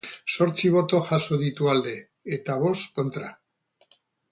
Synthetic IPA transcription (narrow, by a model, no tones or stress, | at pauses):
so̞ɾt͡siβ̞o̞t̪o̞ʝaso̞ðit̪uald̪e̞ː | t̪aβo̞st̪ko̞nt̪ɾa